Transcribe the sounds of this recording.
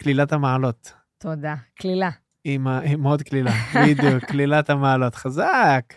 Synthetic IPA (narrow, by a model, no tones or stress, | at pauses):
klilat̪hamaʕalot̪ | t̪od̪aklila | imaimod̪̚klilabid̪jukːlilat̪amaʕalo̞t̪χazak